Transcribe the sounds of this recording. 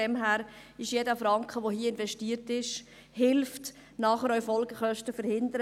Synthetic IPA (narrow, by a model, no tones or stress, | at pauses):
ɛmɦæːɾɪʃjedəfɾɑŋkχəʋohiːəɪnvɛʃtiːɾtɪʃ | hɪlft | nɑːχəɾœʏfɔlɡəχœʃtəfəɾhɪnd̪əɾə